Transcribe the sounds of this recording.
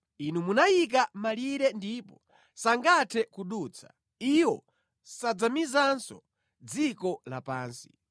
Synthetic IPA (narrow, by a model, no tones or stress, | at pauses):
inumunajik̬amaliɾɛndipɔ | saŋɡatʰɛkuɗuːt͡sʰḁ | iwɔ | sad͡zamizansɔ | d͡zikɔla̰paːnsi̥